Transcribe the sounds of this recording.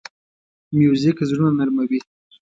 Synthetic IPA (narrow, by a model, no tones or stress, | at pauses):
mjozikzɽunanaɾmawi